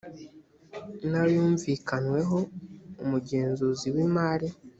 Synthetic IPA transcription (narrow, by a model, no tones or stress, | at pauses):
najuːɱvikanwe̞ɦo̞umuɟe̞ːnzuziwimaɾi